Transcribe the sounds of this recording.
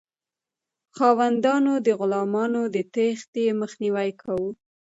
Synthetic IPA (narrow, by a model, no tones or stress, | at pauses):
xɑwand̪ɑnod̪əɣʊlɑmɑnod̪ət̪ext̪jeməxniwajkʰawu